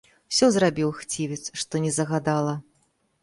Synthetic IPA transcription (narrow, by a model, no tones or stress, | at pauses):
sʲɔzrabʲiwxt͡sʲivʲɛt̪sʂt̪ɔnʲɛzɐɣad̪alˠɐ